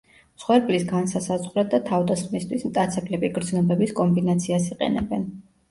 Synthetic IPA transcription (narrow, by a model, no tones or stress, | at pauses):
sχwɛɾpʼlisɡansasazʁɾɛt̪̚d̪at̪ʰavd̪asχmist̪ʰwismt̪ʼat̪sʰɛblɛbiɡɾd̪znɔbɛbiskʼɔmbinat̪sʰiasiqʼɛ̰nɛ̰bɛn